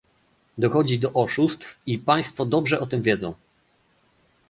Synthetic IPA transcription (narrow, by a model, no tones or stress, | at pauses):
d̪ɔxɔd͡ʑid̪ɔʔɔʂust̪fipaj̃st̪fɔd̪ɔbʐɛʔɔt̪ɘmvʲjɛd̪zɔ̃w̃